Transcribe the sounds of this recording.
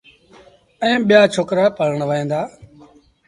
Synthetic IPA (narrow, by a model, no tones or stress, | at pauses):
ɛ̃ːɓijaːt͡ʃʰoːkɾaːpəɾəɳʋəẽːnd̪aː